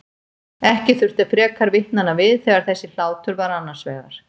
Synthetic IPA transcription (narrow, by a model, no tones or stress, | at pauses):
ɛhcɪθʏr̥t̪ḁfɾɛːkʰaɾvɪht̪nanavɪðθɛɣaɾ̥θɛsːɪl̥aːwt̪ʰʏɾvaɾanːḁsvɛ̰ːɣa̰ɾ̥